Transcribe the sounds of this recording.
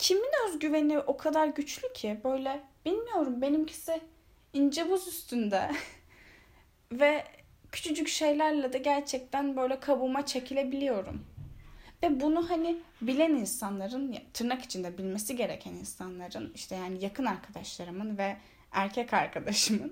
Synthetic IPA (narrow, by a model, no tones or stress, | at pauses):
cʰiminøzɟyveniʔo̞kʰad̪aɾɟyt͡ʃlʲycʰibø̞jlʲɛb̥ilʲmijo̞ɾumbe̞nimcʰi̥sɛ | ind͡ʒebuzyst̪ʰynd̪ɛ | vɛ | cʰy̥t͡ʃʰyt͡ʃʰycʃe̞jlʲæɾlˠad̪aɟæɾt͡ʃʰɛc̚t̪ʰænbø̞jlʲɛkʰabumat͡ʃʰe̞cʰilʲebilʲijo̞ɾṵm | vɛbunuhani | bilʲɛninsanlˠaɾɯnjt̪ʰɯɾnaki̥t͡ʃʰind̪ɛbilʲmesiɟe̞ɾecʰæninsanlˠaɾɯniʃt̪ʰɛjaːnijakʰɯnaɾkʰad̪aʃlˠaɾɯmɯnvɛ | æɾcʰɛcaɾkʰad̪aʃɯmɯn